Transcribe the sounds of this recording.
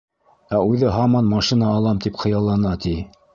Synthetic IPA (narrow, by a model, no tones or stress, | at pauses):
æʉðɘɦɑmɑnmɑʃinɑːlˠɑmt̪ipχɤ̆jɑlˠːɑnɑt̪ʰi